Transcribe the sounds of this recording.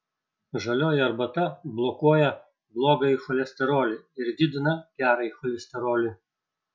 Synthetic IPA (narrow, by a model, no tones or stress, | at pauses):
ʒɐlʲoːjɪɐɾbɐt̪ɐblˠɔkuɔjɛ | blˠoːɡɐɪxɔlʲɛsʲt̪ʲɛɾoːlʲɪɪɾd̪ʲɪːd̪ʲɪnɐkʲæːɾɐɪxɔlʲɛsʲt̪ʲɛɾoːlʲɪ